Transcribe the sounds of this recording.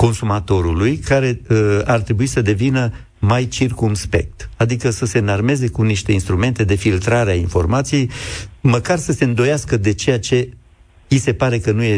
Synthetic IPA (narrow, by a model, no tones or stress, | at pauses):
ko̞nsumat̪o̞ɾulujkaɾe̞art̪ɾe̞buisəd̪e̞vinə | majt͡ʃirkumspe̞̰k̚t̪ad̪ikəsəse̞narme̞ze̞kuniʃt̪e̞inst̪ɾume̞nt̪e̞d̪e̞filt̪ɾaɾeainfo̞̰rmat̪sije̞jməkarsəse̞ɨnd̪o̞jaskəd̪e̞t͡ʃe̞jat͡ʃe̞ | ise̞paɾe̞kənuje